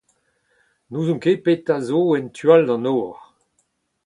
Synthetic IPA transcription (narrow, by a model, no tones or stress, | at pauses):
nuːzɔ̃ŋkepet̪azoɛntʰyaldɑ̃noːʁ